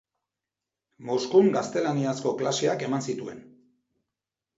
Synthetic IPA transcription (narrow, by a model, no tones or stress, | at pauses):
mo̞skuŋɡast̪e̞laniasko̞klase̞ake̞mansit̪ue̞̰n